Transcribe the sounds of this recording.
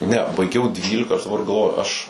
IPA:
nʲɛ bɐɪˈɡʲɛʊ ˈdʲʋʲiːlʲɪkɐ ɐʃ dɐˈbɐr ɡɐlˠˈʋoːjʊ ˈɐʃ

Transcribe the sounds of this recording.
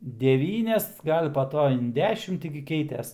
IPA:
dʲɛˈʋʲiːnʲɛs ˈɡɐlʲ pɐ ˈtoː ɪn ˈdʲæːʃʲɪm ˈtʲɪ ɡʲɪ ˈkʲɛɪtʲɛs

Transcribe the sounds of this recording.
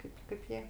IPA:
ˈkɐɪp kɐɪp ˈjiɛ

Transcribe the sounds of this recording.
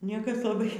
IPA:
ˈnʲiɛkɐs lˠɐˈbɐɪ

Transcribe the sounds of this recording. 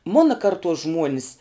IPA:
ˈmʊnɐ kɐrˈtuɔs ˈʒmuɔnʲɪs

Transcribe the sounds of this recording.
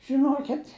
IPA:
ʒʲɪˈnoːkʲɪtʲ

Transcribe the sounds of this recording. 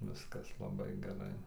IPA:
ˈʋʲɪskɐs lˠɐˈbɐɪ ɡʲɛˈrɐɪ

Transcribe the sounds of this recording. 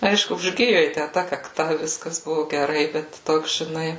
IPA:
ˈɐɪʃkʊ ʊʒʲˈɡʲɪjʊ jɛɪ ˈtʲæ tɐ kɐkˈtɐ ˈʋʲɪskɐs ˈbʊʋʊ ɡʲɛˈrɐɪ ˈbʲɛt ˈtoːks ʒʲɪˈnɐɪ

